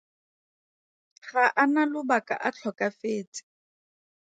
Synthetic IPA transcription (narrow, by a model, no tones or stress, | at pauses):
χaʔanalʊbakʼa̰ʔat͡ɬʰɔkʼafeːt͡sɪ̥